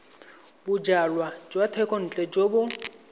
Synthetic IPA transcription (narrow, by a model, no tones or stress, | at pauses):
bʊd͡ʒalwad͡ʒwatʰɛkʼɔn̩t͡ɬʼɛd͡ʒobʊ